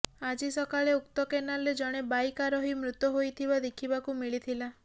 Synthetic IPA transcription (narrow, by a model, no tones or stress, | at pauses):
ad͡ʒisɔkaɭeukt̪ɔkenaled͡ʒɔɽ̃ebajkaɾɔɦimɾut̪ɔɦojt̪ʰibad̪ekʰibakumiɭit̪ʰila